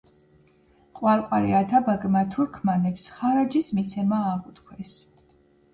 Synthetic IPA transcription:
qʼwaɾqʼwaɾiat̪ʰabaɡmat̪ʰuɾkʰmanɛpsχaɾad͡ʒismit̪sʰɛmaːʁut̪kʰwɛs

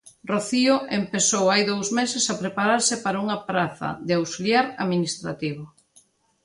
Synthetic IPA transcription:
roθioʔempesowajðowzmesɪsapɾepaɾaɾsɪpaɾauŋɐpɾaθɐ̰ðeawsiljaɾaminist̪ɾa̰t̪iβ̞ʊ

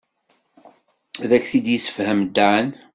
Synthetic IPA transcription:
ðækːθid̪jisə̥fhəmd̪aʕən

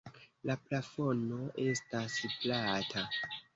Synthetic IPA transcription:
laplafo̞no̞ʔe̞stasplatʰa

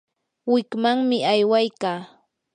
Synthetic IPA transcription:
wɪkmaŋmɪajwajkaː

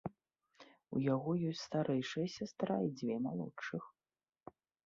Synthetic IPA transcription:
ṵjaɣɔjɔsʲtʲst̪aɾʔɛjʂɨjɐsʲast̪ɾaid͡zʲvʲɛmalˠɔ̰t͡ʂːɨx

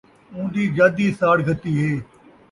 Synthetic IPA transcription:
ũːd̪iːɡaːd̪iːsaːɽɡət̪ːiːɦeː

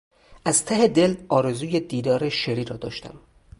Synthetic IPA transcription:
ʔæz̥t̪ʰæɦed̪elɒːɾe̞zuːjed̪iːd̪ɒːɾe̞ʃeɾiːɾɒːd̪ɒ̰ːʃt̪æ̰m

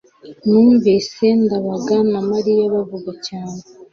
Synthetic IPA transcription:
nuːɱvese̞ndaβaɡanamaɾijaβavuɡacaːne

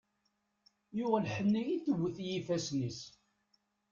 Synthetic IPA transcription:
jʊʁælħənːijiθəwːəθjifæsnis

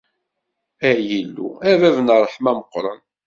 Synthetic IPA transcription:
æjilːṵævævnərˤːəħmæməqːɾˤən

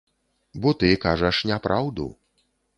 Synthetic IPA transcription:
bɔt̪ɨkaʐɐʂnʲapɾʔawd̪ṵ

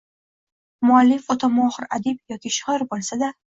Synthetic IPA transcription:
mʊalːɪfɒt̪ʰɒmɒχɪɾad̪ɪb̚jɒkʲʰiʃhɒɾbolˠsad̪a

